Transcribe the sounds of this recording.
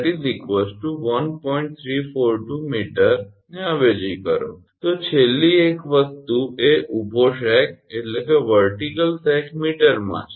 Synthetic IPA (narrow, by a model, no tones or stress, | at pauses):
ʈizɾikʋesʈːuʋənpɔiɳʈ̚t̪ʰɾifoɾʈumiʈəɾ | neəʋed͡ʒikəɾo̰ | t̪ot͡ʃʰelːiekʋəɡ̚t̪uʔeʔubʱoʃɛkeʈlekeʋəɾʈikəlsɛkʰmiʈəɾmã̰t͡ʃʰ